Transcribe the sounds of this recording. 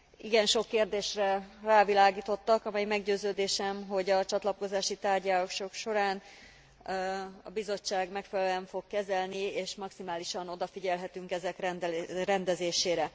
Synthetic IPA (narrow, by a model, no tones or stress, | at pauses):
iɡɛnʃo̞kːeːrd̪eːʃrɛraːvilaːɡiːt̪o̞t̪ːɒkɒmɛjmɛɡɟøːzøːd̪eːʃɛmɦo̞ɟɒt͡ʃɒt̪lɒko̞zaːʃit̪aːrɟaːloʃo̞kʃo̞ɾaːn | ɒ̰bizo̞t͡ʃːaːɡmɛkfɛlɛɱfo̞kːɛzɛlnieːʃmɒksimaːliʃɒno̞d̪ɒfiɟɛlɦɛt̪yŋkɛzɛkrɛrɛnd̪ɛzeːʃeːɾɛ